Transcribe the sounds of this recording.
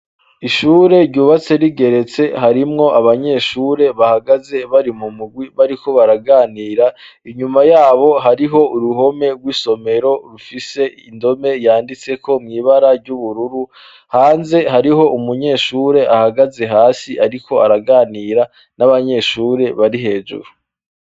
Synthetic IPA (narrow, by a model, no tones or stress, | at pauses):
iʃuːɾe̞ɾɟuːβat͡se̞ɾiɡe̞ɾe̞t͡se̞haɾimŋo̞ʔaβaɲe̞ʃuːɾe̞βahaɡaze̞βaɾimumuɡwiβaɾiko̞βaɾaɡaːniːɾa | iɲumajaːβo̞ɦaɾiɦo̞uɾuɦo̞me̞ɾɡwiːso̞me̞ɾo̞ɾufise̞indo̞me̞jaːndit͡se̞kʰo̞mŋiːβaɾaɾɟuβuɾuɾu | haːnze̞haɾiɦo̞ʔumuɲe̞ːʃuːɾe̞ʔahaɡaze̞ɦaːsiʔaɾikʰo̞aɾaɡaːniːɾa | naβaɲe̞ːʃuɾe̞βaɾiɦe̞ːʒṵɾu